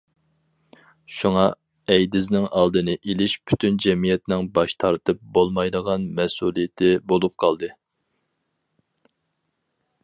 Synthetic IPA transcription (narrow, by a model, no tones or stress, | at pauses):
ʃuŋɑ | ɛjd̪ɪznɪŋʔɑlˠd̪ɨnɨʔelɪʃpʰy̥t̪ʰynd͡ʒɛmijɛt̪nɪŋbɑʃt̪ʰɑɾt̪ʰɨp̚bolˠmɑjd̪əʁɑnmɛsulˠijɪt̪ʰɪbolˠup̚qʰɑlˠd̪ɨ